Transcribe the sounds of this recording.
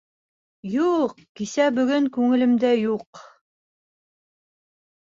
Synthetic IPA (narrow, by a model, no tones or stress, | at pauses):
juq | kisæbɵ̆ɡɵŋkʉŋɘ̆lɘ̆md̪æjuq